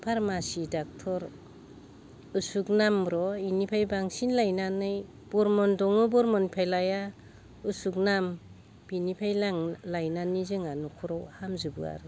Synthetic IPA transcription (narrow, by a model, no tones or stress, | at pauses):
pʰaɾmasidak̚tʰɔɾ | ɯsuk̚namɾɔinipʰajbaŋsinlajnanɯj | b̥ɔɾmɔndɔŋɯbɔɾmɔnpʰelaja | ɯsuk̚nam | b̥inipʰajlaŋlajnanizɯŋanukʰɔɾɔwhamzɯbɯa̰ɾɯ